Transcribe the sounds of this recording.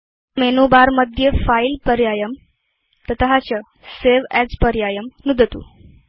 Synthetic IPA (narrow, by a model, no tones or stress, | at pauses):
menubaɾməd̪ʱjəfailpəɾjajəm | t̪ət̪əɦat͡ɕə | seʋɛspəɾjajəmnud̪ʱət̪ṵ